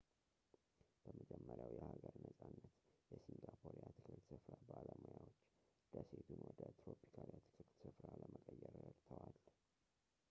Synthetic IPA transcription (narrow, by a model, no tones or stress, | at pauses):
b̥əməd͡ʒɛmːəɾjawjɛhaɡəɾnəsʼanːət̪jɛsiŋɡapʰoɾijat̪ʰɨ̥kʰɨkt̪sɨfɾabaləmujawot͡ʃːd̪̥əset̪ʰunwɔd̪ət̪ɾopʰi̥kʰaljat̪ʰɨ̥kʰɨɾt̪sɨfɾaləməkʼəjːɛɾəɾt̪ʰəwal